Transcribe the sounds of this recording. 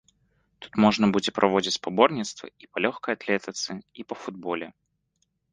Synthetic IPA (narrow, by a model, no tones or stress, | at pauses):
t̪u̥t̪moʐnəbud͡zʲɪpɾʔɐvo̞d͡zʲɪt͡sʲpɐbornʲɪt̪st̪və̰ipɐlʲoxkəjɐt̪lʲet̪ʲɪt̪sɨipəfʊd̪̚bolʲɪ